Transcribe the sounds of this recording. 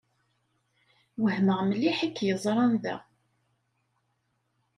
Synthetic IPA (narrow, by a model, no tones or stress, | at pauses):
wəhməʁməlːiħikːjəzˤɾˤɑnðæ̰